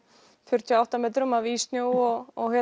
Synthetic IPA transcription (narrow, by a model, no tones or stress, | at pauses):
fʏɾ̥t̪ʰjaawht̪amɛːt̪̬ɾʏmaviːst̪njoːwɔɣɔɣhɛ